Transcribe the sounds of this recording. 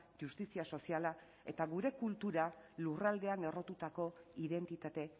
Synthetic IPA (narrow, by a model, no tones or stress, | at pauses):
ʝust̪isiaso̞siala | e̞t̪aɣuɾe̞kult̪uɾalurald̪e̞ane̞ro̞t̪ut̪ako̞iðe̞nt̪it̪at̪e̞